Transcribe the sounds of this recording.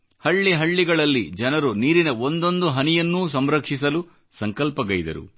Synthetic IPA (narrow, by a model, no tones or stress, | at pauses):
hɐɭːiɦɐɭːiɡɐɭɐlːid͡ʒɐnɐɾuniːɾinɐond̪o̞nd̪uɦɐnijɐnːuːs̬ɐmɾɐkʂis̬ɐlu | sɐŋkɐlpɐɡɐjd̪ɐ̰ɾṵ